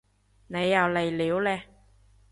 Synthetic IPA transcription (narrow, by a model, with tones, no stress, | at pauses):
ne˨˧jːɐ˨˧wle˨jliː˨˥wlɛː˧